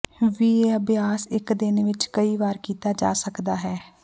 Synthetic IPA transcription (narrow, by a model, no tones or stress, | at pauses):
ʋiːeəbɪjaːsɪkd̪ɪnʋɪt͡ʃkəiːʋaːɾkiːt̪aːd͡ʒa̰ːsəkd̪aːɦɛː